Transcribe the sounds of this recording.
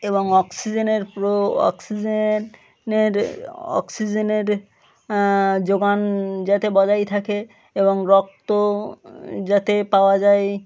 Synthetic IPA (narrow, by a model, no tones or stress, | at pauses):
eboŋɔksid͡ʑeneɾpɾoɔ̰ksid͡ʑe | neɾɔ̰ksid͡ʑeneɾ | d͡ʑoɡand͡ʑat̪ebɔd͡ʑajt̪ʰake | eboŋɾɔk̚t̪o | d͡ʑat̪epaoad͡ʑae